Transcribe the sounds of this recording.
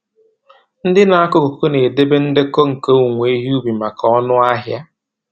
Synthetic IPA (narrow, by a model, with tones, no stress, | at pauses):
n̩˦dɪ˦na˨a˦kʊ˦ko˨ko˦ne˨de˦be˦n̩˦de˦ko˦ŋ̩˨ko˦u˨ŋʷe˨˦i˦ɦi˦u˦bi˨ma˨kʰɔ˦nʊ˦a˦ɦja˦